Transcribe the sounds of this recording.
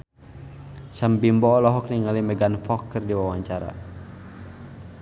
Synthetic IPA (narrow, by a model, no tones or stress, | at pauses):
sambimbɔːlɔɦɔk̚niŋalimɛɡanfɔkːərdiwawaɲt͡ʃaɾa̰